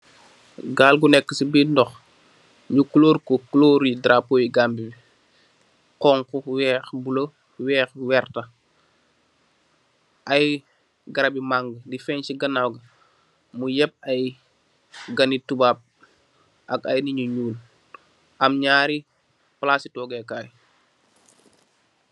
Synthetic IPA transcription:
ɡaːlɡunɛkːəsibindɔx | ɲukuloːɾkukloːɾidɾapoːjiɡambibi | qɔːŋkɔwɛːxbulɐ | wɛːxwɛɾtɐ | ʔɐj | ɡɐɾɐbimaŋɡdifɛnt͡ʃiɡɐnawɡɐ | mujɛp̚ɐj | ɡɐnitubaːb̚ | ʔɐkɐjniɲuɲuːl | ʔɐmɲaːɾi | plaːsitɔɡɛkaːj

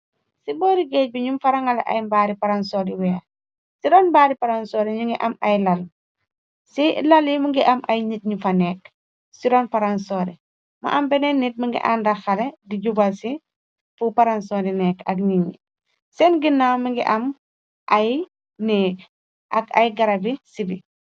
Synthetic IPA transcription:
sibɔːɾiɡɛc̚buɲumfaɾaŋal̰ʔa̰jmbaːɾipaɾansoɾiwɛ | siɾɔːnbaːɾipaɾansoːɾiɲuŋɡiʔɐmɐjlɐl | silɐliməŋɡiʔɐmɐjɲit̚ɲufɐnɛːk | siɾɔːnfɐɾansɔːɾi | ma̰ʔɐmbɛnɛnːit̚məŋɡḭʔa̰ːndɐxɐlediɟubasi | fupaɾansoɾinɛkɐk̬ɲiɲḭ | sɛnɡinːaməŋɡḭʔɐm | ʔɐj | nɛːk | ʔɐkɐ̰jɡɐɾɐbisibi

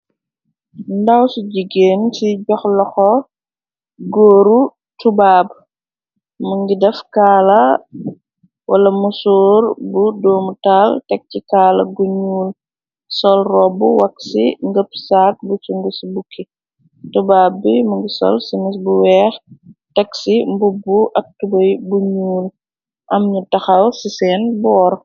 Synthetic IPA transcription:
ndawsuɟiɡeːnsiɟɔxlɔxɔ | ɡɔːɾu | tubaːb | muŋɡidɛfkaːlɐ | wʔɐlɐmusɔːɾbudɔːmutaltɛk̚cikaːlɐ̰ɡuɲuːl | sɔlrɔbuwɐksiŋɡəpsaːt̚busuŋɡusibukʰːi | tubaːbːimuŋɡisɔ̰lsimisbuwɛːxtɛksimbubːuʔɐk̚tubɐjbuɲuːl | ʔɐmɲutɐxɐwsisɛːnbɔːɾ

